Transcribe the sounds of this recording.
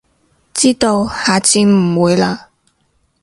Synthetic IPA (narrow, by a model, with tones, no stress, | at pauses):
t͡siː˥t̪o˧whaː˨˧t͡siː˨˧m̩˨˩wuː˨˧jlaː˧